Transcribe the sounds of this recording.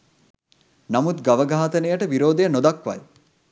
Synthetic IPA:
namut̪ɡaʋəɡʱaːt̪ənəjəʈəʋiɾoːd̪ejənod̪akʋa̰j

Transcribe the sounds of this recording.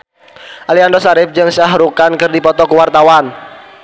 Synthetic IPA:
ʔaliandɔsaɾɪf̚d͡ʒɨŋsaɦɾukankɨrdipɔt̪ɔkuwart̪awan

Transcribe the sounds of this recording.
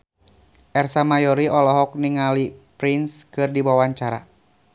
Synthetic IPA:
ʔɛrsamajɔɾiʔɔlɔɦɔk̚niŋalipɾinskɨrdiwawaɲt͡ʃaɾa̰

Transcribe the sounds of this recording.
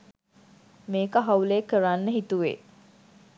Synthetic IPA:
meːkəɦauleːkəɾanːəɦit̪uʋḛ

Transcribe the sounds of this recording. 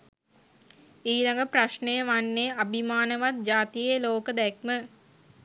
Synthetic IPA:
iːlaŋɡəpraʃnejəʋanːeʔabʱimaːnəʋat̪̚d͡ʒaːt̪ijeloːkəd̪ɛk̚mə

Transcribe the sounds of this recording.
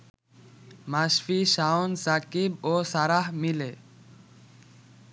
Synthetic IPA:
masfiʃaonsakiboːsaɾaɦmileː

